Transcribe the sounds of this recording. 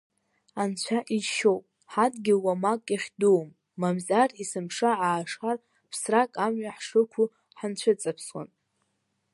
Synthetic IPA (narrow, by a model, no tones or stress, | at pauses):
ant͡ɕʷʰaʔiʃo̞wpʼ | ħadɡʲɪlwamakʼjaχʲduwmː | amzarisɨmʂaʕaːʂχar | pʰsrakʼamɥaħʂɨkʷʰu | ħant͡ɕʷʰɨt͡sʼapʰswa̰n